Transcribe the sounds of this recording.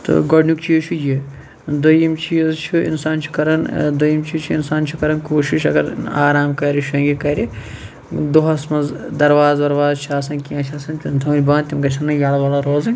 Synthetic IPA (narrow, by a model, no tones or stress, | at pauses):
t̪ɨ̰ɡɐɖnukt͡ʃʰit͡ʃʰuji | d̪ɐjimt͡ʃʰizt͡ʃʰuḭnsaːnt͡ʃʰu̥kɐɾɐnd̪ɐjimt͡ʃʰit͡ʃʰuinsaːnt͡ʃʰukɐɾɐnkoːʃiʃɐɡɐɾaːɾaːmkɐɾʲiʃɐ̃ŋɡʲikɐɾʲi | d̪oɦɐsmɐzd̪ɐɾʋaːzʋɐɾʋaːzt͡ʃʰaːsɐnʲkiãːt͡ʃʰaːsɐnʲt̪nt̪ʰɐnʲbaːnt̪ʲimɡɐʃʰɐnːɐjʲaːlɐʋaːlaɾoːzɨnʲ